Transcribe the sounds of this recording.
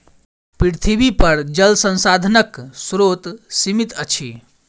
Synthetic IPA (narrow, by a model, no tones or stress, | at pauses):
pɾiɾt̪ʰibipəɾd͡ʒəlsə̃nsad̪ʱənəksɾot̪simit̪ət͡ʃʰi